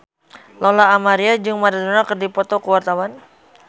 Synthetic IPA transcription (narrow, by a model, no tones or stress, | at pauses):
lɔlaːmaɾiad͡ʒɨŋmaɾad̪unakɨrdipɔt̪ɔkəwart̪awan